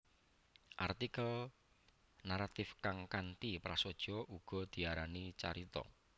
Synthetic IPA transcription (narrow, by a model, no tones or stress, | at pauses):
ʔart̪ikəl | naɾat̪ɪfkaŋkant̪ipɾasod̥ʒ̥ɔʔuɡ̥ɔ̤d̪̥i̤aɾanit͡ʃa̰ɾit̪ɔ̰